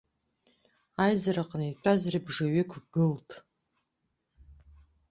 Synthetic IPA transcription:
ajzaɾaqʰʼənit͡ʃʷʼazribʐaɥekʷʰɡɨltʰʼ

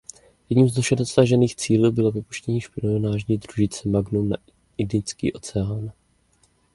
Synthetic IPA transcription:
jɛdɲiːmzdoʃɛdosaʒɛniːxt͡siːluːbɪlo̞vɪpu̥ʃcɛɲiːʃpɪlionaːʒɲiːdruʒɪt͡sɛmaɡnuna̰ | ɪndɪt͡skḭːʔo̞t͡sɛaːn

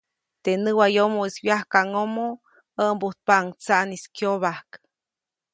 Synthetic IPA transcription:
t̪enɨwajomoiswjahkaŋomo | əʔmbut̪̚paʔŋt͡saʔniskjoβahk

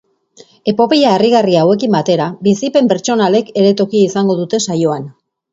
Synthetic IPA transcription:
e̞po̞pejaeriɣariawe̞k̬imbat̪e̞ɾabisipe̞mpe̞ɾt͡ʃo̞nale̞ke̞ɾe̞t̪o̞kiisaŋɡo̞ð̞ut̪e̞sajo̞an

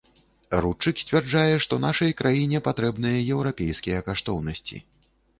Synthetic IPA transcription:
rut͡ʂɨksʲt͡sʲvʲɛrd͡ʐajɛʂt̪ɔnaʂɐjkɾʔajinʲɛpat̪ɾɛbnɨjɐjɛwɾapʲejskʲijɐkaʂt̪ɔwnɐsʲt͡sʲḭ

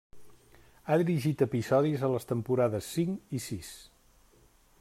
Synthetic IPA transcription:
aðiɾiʒit̪əpizɔðizələst̪əmpuɾaðəsːiŋisis

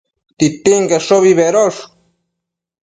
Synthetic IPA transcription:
t̪it̪iŋɡeʂoβiβeɾoʂ

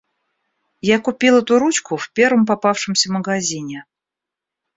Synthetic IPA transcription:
jakʊpʲilˠɛt̪ʊɾut͡ɕkʊfpʲe̞ɾvəmpapafʂɨmsʲəməɡɐzʲinʲɪ

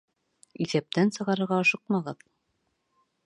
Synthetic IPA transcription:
iθæp̚t̪ænsɤ̆ʁɑɾɤ̆ɾʁɑːʃɤq̚mɑʁɤð

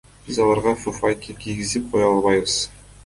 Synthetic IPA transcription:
b̥izɑlˠɑɾʁɑfufajkʲikʲʰijɡʲizip̚qʰojɑlˠβɑjβəz̥

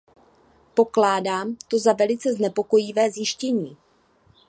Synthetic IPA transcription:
po̞klaːdaːmt̪o̞zavɛlɪt͡sɛznɛpo̞ko̞jɪvɛːzjɪʃcɛɲiː

